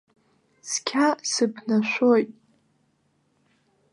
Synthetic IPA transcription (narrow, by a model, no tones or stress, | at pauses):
skʲʰasɨpʰnaʃʷojtʼ